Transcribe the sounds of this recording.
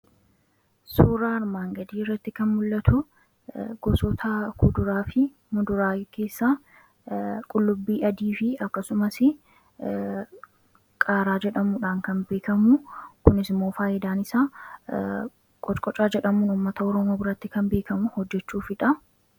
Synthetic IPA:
suːɾaːɐɾmaːŋɡɐd̪iːɪrːɐt̪ːɪkɐnmʊlːɐt̪ʊ | ɡ̥ɔsɔt̪ʰɐkʰʊd̪ʊɾaːfɪ | mʊd̪ʊɾaːke̞ːsːaː | kʼʊlːʊbːiːʔɐd̪iːfɪɐkːɐsʊmɐsɪ | kʼaːɾaːd͡ʒɛᶑɐmuːᶑaːŋkɐnbe̞ːkɐmʊkʊnɪsmːo̞ːfaːʔɪd̪aːnɪsa | kʼɔt͡ʃʼkʼɔt͡ʃʼːaːd͡ʒɛᶑɐmuːnʊmːɐt̪ɐɔɾɔmoːbʊɾɐt̪ːɪkɐmbe̞ːkɐmʊhɔd͡ʒːɛt͡ʃːuːfɪᶑɐ

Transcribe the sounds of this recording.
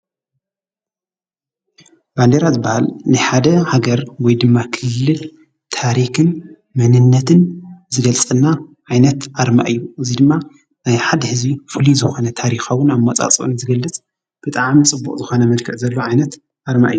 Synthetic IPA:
b̥and̪eɾazɨbːahalnɨħad̪ɐhaɡɐɾwɔjd̪ɨmːakʰɨlːɨl | t̪ʰaɾikɨn | mɐnɨnːɐt̪ʰɨnzɨɡɐlt͡sʼɨnːaʕajnɐt̪ʔaɾma̰ʔɨjːuʔɨzid̪ɨmːa | najħad̪hɨzbifɨlizɨxo̞nɐt̪ʰaɾixawːʊnamːɐt͡sʼa̰t͡sʼʔnzɨɡɐlːɨt͡sʼ | b̥ɨt̪ʼaʕmit͡sʼɨbːṵkʼzɨxo̞nɐmɐlkʰɨʕzɐlːoʕajnɐt̪ | ʔaɾma̰ʔɨjːu

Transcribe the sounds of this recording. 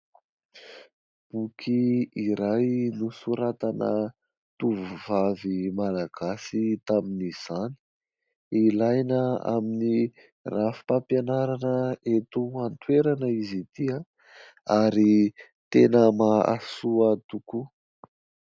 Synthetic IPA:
b̥ukʰiiɾajnusuɾat̪anə̰ | t̪uvuvavimalaɡ̥asit̪aminiz̥ani̥ | ilajnəa̰mini | rafi̥pampjanaɾanəet̪uant̪weɾanəizit̪ia | aɾi | t̪enəmaa̰suat̪uku

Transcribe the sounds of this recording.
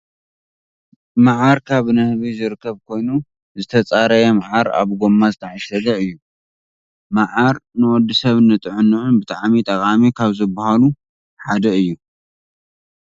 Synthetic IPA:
maʕaɾkʰaβnɨhβizɨɾɨkʰːɐβkʰo̞jnu | zɨt̪ʰɐt͡sʼaɾɐjɐmaʕaɾa̰βɡomːazɨt̪ʰɐʕasɐd̪ɐɨjːu | maʕaɾnɨwɔd̪ːisɐβnɨt̪ʼɨʕɨnːɨʕunbɨt̪ʼaʕmit̪ʼɐkʼamikʰaβzɨbahalu | ħad̪ɐɨjːu

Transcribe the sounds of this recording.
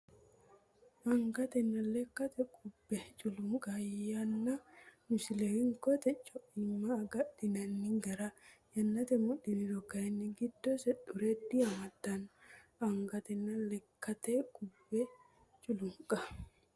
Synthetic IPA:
ʔɐŋɡɐt̪ɛnːɐlɛkːɐt̪ɛkʼʊbːɛt͡ʃʼʊlʊŋkʼɐjɐnːɐnʊsɪlɛwɪŋkɔt̪ɛt͡ʃʼːɔʔɪmːaːɡɐɗɪnɐnːɪŋɡɐɾajɐnːɐt̪ɛmʊɗɪnɪɾɔkːɐɛnːɪɡɪd̪ːosɛᶑʊɾɛd̪iɐmɐd̪ːɐnɐŋɡɐt̪ɛnːɐlɛkːɐt̪ɛkʼʊbːɛ | t͡ʃʼʊlʊŋkʼɐ

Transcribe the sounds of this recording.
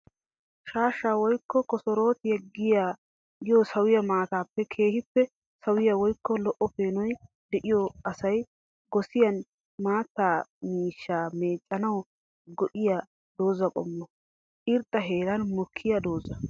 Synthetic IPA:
ʃaːʃːaːwɔjkːɔkɔsɔɾo̞ːt̪ɪjɛɡɪjaː | ɪjɔsɐwɪjɐmaːt̪aːpːɛkʰe̞ːhɪpːɛ | sɐwɪjɐwɔjkːɔlɔʔɔpeːnɔj | d̪ɛʔɪjɔɐsɐj | ɡɔsɪjɐn | maːt̪ːaːmiːʃːaːme̞ːt͡ʃʼːɐnɐw | ɡɔʔɪja | d̪o̞ːzɐkʼɔ̰mːɔ | ɪɾt̪ʼːɐɦe̞ːɾɐnmʊkʰːɪjɐd̪oːzɐ

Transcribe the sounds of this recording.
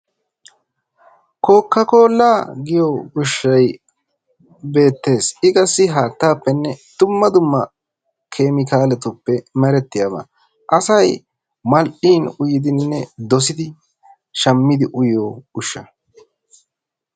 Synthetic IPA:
koːkːɐko̞ːlːaːɡɪjoʊʃːɐj | be̞ːt̪ːe̞ːsɪɡɐsːɪɦaːt̪ːaːpːɛnːɛd̪̥ʊmːɐd̪ʊmːɐ | kʰe̞ːmɪkaːlɛt̪ʊpːɛmɛɾɛt̪ːɪjaːbɐ̰ | ʔɐsɐj | mɐlʔiːnʊjɪd̪ɪnːɛd̪ɔs̬ɪd̪ɪ | ʃɐmːɪd̪ɪʔʊjoːʊʃːɐ

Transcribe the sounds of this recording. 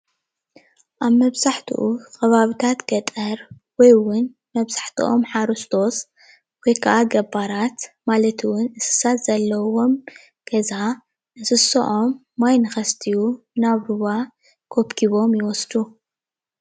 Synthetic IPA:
ʔaβmɐβzaħt̪ʰṵʔukɐβaβit̪ʰat̪ɡ̥ɐt̪ʼɐɾ | wɔjwʊn | mɐβz̥aħt̪ʰṵʔo̰mħaɾust̪ʰo̞s | wɔjkʰɐʔaɡɐbaɾat̪malɐt̪ʰɨwʊnɨsɨ̥sat̪z̥ɐlːɐwo̞m | ɡ̥ɐza | ʔɨsɨsɐ̰ʔo̞mː | ajnɨxɐst̪ʰiju | naβɾuβa | kʰo̞pkʰiβo̞mjɪwɔsd̪u

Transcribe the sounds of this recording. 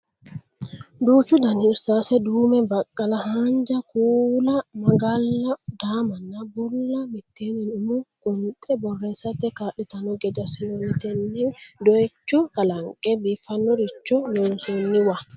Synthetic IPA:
duːt͡ʃudanisasɛdumɛbakʼːalahaɲd͡ʒakuːlamaɡalːadamanabulːamitːɛninumuɡ̥ɔntʼɛbɔrːɛsatɛkaɗɛtanɔɡɛdasilonitɛnːidɔt͡ʃːɔkalaŋkʼɛbifanːɔɾit͡ʃːɔnɔnsonːiwa

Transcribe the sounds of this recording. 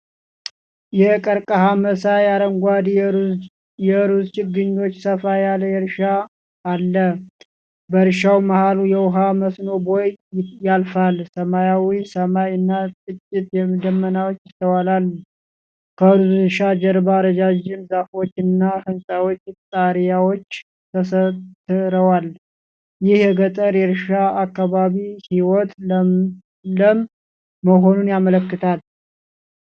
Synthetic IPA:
jɛkʼəɾkʼəɦaməsajaɾəŋɡʷad̪ | jɛɾuzt͡ʃɪɡːɨɲːo̞t͡ʃːsəfajalːəjɛɾʃaː | lːə | bəɾʃawmahalujɛwʊɦaməsno̞bojt̪jalfalsəmajawisəmajɨnːat͡ʃʼɨt͡ʃʼːɪt̪jɛmɨd̪əmːənawot͡ʃːjɪt̪ʰːəwalalː | kʰəʃad͡ʒəɾbaɾəd͡ʒad͡ʒɪmzafot͡ʃːɨnːahɨnsʼawot͡ʃːt̪ʼaɾjawot͡ʃː | t̪ʰəsət̪ːɨɾəwal | jɪhjɛɡət̪ʼəɾɛɾɨʃaakːaβaβihiwɔt̪ | ləmː | əɦo̞nunjamələkːɨt̪ʰal

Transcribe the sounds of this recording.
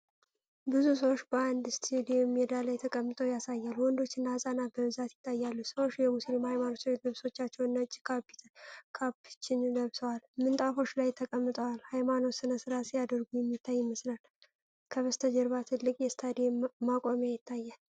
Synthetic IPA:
bɨzus̬əwo̞t͡ʃːbəand̪ɨst̪ʰid̪emjɛd̪alajt̪ʰəkʼəmːɨt̪ʼowjasajːalwɔnd̪o̞t͡ʃːɪnːahsʼanabəβɨzat̪jɪt̪ʰːajːalːusəwo̞t͡ʃːjɛmusilmhajmano̞tːd̪əβso̞t͡ʃːat͡ʃːɛwnːat͡ʃʼːkʰab̪kʰabɨt͡ʃːɪnləβsəwalmɨnt̪ʼafo̞t͡ʃːlajt̪ʰəkʼəmːɨt̪ʼəwalhajmano̞tsɨnəsɨɾasijad̪əɾɡujɛmːit̪ʰːajːɪməslal | kʰəβəst̪ʰəd͡ʒɛɾβat̪ʰɨlːɨkʼjɛst̪ʰad̪emakʼo̞mjejɪt̪ʰːajːal

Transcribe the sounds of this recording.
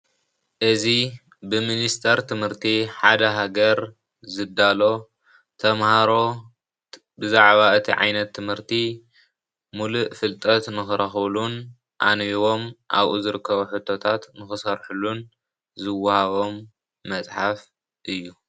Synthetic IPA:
ʔɨzi | bɨminist̪ʰɐɾt̪ʰɨmhɨɾt̪ʰiħad̪ɐɦaɡɐɾ | zɨd̪ːalo̞ | t̪ʰɐmhaɾo̞ | bɨzaʕβaɨt̪ʰiʕa̰jnɐt̪ʰːɨmhɨɾt̪ʰi | muluʔfɨlt̪ʼɐt̪nɨxɨɾɐxlun | ʔa̰nβiwo̞mʔa̰βʔṵzɨɾɨkʰːɐβuħɨt̪ʰːo̞t̪ʰat̪nɨxɨsɐɾħulːun | zɨwːahaβo̞mː | ɐt͡sʼħaf | ʔɨjːu

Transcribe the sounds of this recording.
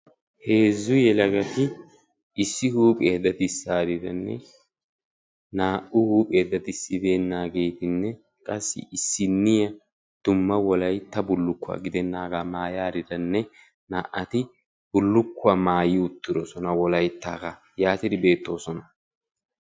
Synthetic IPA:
he̞ːzːʊjɛlɐɡɐt̪ɪ | ɪsːɪhuːpʼeːd̪ːɐt̪ɪsːaːɾɪd̪ɐnːɛ̰ | naːʔʊhuːpʼe̞ːd̪ːɐt̪ɪsːɪd̪eːnːaːɡe̞jt̪ɪnːɛ | kʼɐsːɪ̰ʔɪsːɪnːɪjɐ | d̪̥ʊmːɐwɔlɐjt̪ːɐbʊlːʊkːʊa̰ːɡɪd̪ɛnːaːɡaːmaːjaːɾɪd̪ɐnːɛ | naːʔɐt̪ɪ | b̥ʊlːʊkːʊɐːmaːjɪʊt̪ːɪɾɔsɔnɐwɔlɐjt̪ːaːɡa | jaːt̪ɪd̪ɪbe̞ːt̪ːo̞ːsɔnɐ

